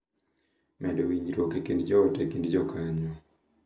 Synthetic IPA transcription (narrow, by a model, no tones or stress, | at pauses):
mʔɛdɔwiɲiɾokekindd͡ʒɔːtɛkindd͡ʒɔkaɲɔ